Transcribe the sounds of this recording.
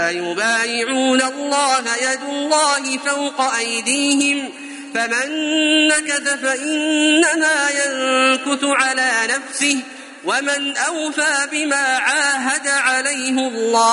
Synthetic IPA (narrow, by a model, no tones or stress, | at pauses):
ajʊbaːjɪʕuːnalˤːɑːhajad̪ʊlːɑːɦɪfawqɑʔajd̪iːɦɪm | famanːakaθafaʔɪnːamaːjankʊθʊʕalaːnafsɪh | wamanʔawfaːbɪmaːʕaːɦad̪aʕalajhɪalːɑː